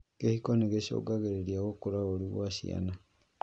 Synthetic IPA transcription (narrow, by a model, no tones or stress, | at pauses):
kehikɔneɣeɕo̰ɡaɣeɾeɾiaɣokoɾaoɾiɣwaɕḭa̰na